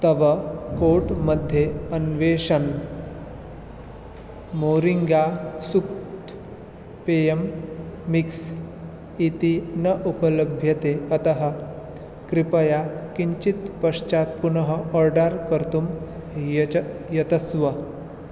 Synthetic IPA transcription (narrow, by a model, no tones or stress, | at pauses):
t̪ɐʋəkoʈməd̪ʱːjeənʋeʂən | moɾiŋɡasukt̪ | peemː | iks | it̪inəʔupələbʱjɐt̪eət̪ɐɦə | kɾipəjakiɲt͡ɕit̪pəʂt͡ʃat̪̚punəɦəʔɔɾɖaɾkəɾt̪um | jjɐt̪əsʋə